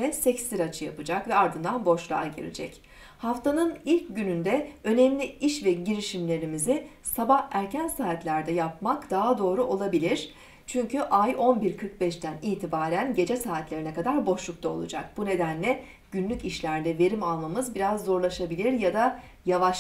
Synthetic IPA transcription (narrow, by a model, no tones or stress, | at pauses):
ɛsɛcsiɾat͡ʃʰɯjapɯd͡ʒakvɛaɾd̪ɯnd̪anbo̞ʃlˠa̰aɟḭɾḭd͡ʒɛc | haft̪ʰanɯnilʲcɟynynd̪ɛø̞nɛmlʲiiʃvɛɟiɾiʃimlʲe̞ɾimizi | sabahæɾcʰænsaːt̪lʲæɾd̪ɛjap̚makd̪̥aɦad̪o̞ːɾuʔo̞lˠabilʲiɾ̥ | t͡ʃʰyɲcʰyʔajʔo̞nbiɾkʰɯɾk̚bɛʃt̪ʰæniːt̪ʰibaːɾænɟe̞d͡ʒɛsaːt̪lʲe̞ɾinɛkad̪aɾbo̞ʃlˠuk̚t̪ʰao̞̰lˠṵd͡ʒa̰k̚b̥une̞d̪ænlʲɛ | ɟ̥ynlʲyciʃlʲæɾd̪ɛve̞ɾimalˠmamɯzbiɾazːo̞ɾlˠaʃabilʲiɾjad̪a | javaʃ